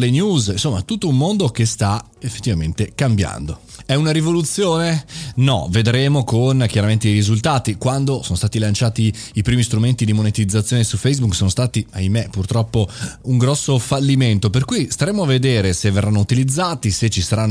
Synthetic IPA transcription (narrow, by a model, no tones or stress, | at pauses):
lenjuːzinsomːat̪ut̪ːoummond̪ok̟est̪a | efːet̪ːivament̪ekambja̰nd̪o | ɛunaɾivolut̪sːjoːnenɔ̰ved̪ɾeːmokonkjaɾament̪ejɾizult̪aːt̪ikwand̪osoːnost̪aːt̪ilant͡ʃaːt̪iːpɾiːmist̪ɾument̪id̪imonet̪id̪zːat̪sːjoːnesufɛjs̬buksoːnost̪aːt̪iajmepurt̪ɾɔpːouŋɡɾɔsːofalːiment̪operkujst̪aɾeːmoaved̪eːɾesevːerːanːout̪ilid̪zːaːt̪iset͡ʃisaɾanː